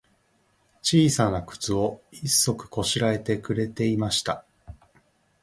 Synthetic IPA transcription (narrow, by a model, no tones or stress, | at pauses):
t͡ɕiːsanakɯ̟̥t͡sɨo̞isːo̞kɯ̟̥ko̞ɕiɾae̞t̪e̞kɯ̟ɾe̞t̪e̞imaɕi̥t̪a